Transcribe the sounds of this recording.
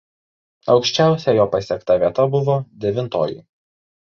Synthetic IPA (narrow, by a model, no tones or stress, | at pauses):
ɒʊkʃʲt͡ʃʲæˑʊsʲɛjoːpɐsʲɛkt̪ɐʋʲiɛt̪ɐbʊʋɔːd̪ʲɛʋʲɪnt̪oːjɪ̰